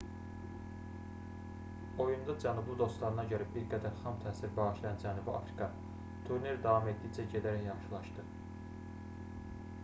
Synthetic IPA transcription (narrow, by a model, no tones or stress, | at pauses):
o̞jund̪ɑd͡ʒænublˠɯd̪o̞st̪lˠɑɾɯnɑɟø̞ɾæbiɾɡæd̪æɾxɑmt̪ʰæːsiɾbɑɣɯʃlˠɑjɑnd͡ʒænubiɑ̰fɾi̥kʰɑ | t̪ʰuɾneɾd̪ɑvɑme̞t̪̚d̪ijd͡ʒæɟed̪æɾæçjɑχʃɯlˠɑʃd̪ɯ